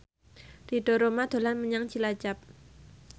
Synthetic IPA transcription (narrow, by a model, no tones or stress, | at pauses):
d̥iɖo̤ɾomad̪̥o̤lanməɲaŋt͡ʃilḁd͡ʒap̚